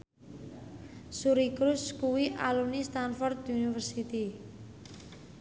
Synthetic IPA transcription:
suɾikɾʊskuwiʔalunist̪anfɔrt̪unifərsit̪i

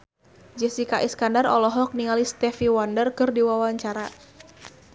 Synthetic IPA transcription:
d͡ʒɛsikaʔiskandarɔlɔɦɔk̚niŋalist̪ɛfiwandərkɨrdiwawaɲt͡ʃaɾa

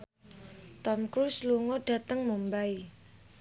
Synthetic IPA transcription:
t̪ɔmkɾusluŋɔɖ̥ä̤t̪əŋmumbai

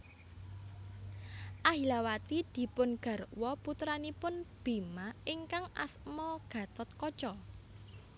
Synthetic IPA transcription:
ʔahilawat̪id̪̥i̤pʊnɡ̥a̤ɾwɔput̪ɾanipʊnb̥i̤maɪŋkaŋa̰smɔɡ̥ä̤t̪ɔt̪̚kɔt͡ʃɔ

